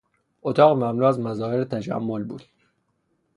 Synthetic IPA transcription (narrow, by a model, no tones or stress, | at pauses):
ʔot̪ʰɒːɣmæmnuːæzmæzɒːheɾet̪ʰæd͡ʒæ̰mːolbuːd̪̥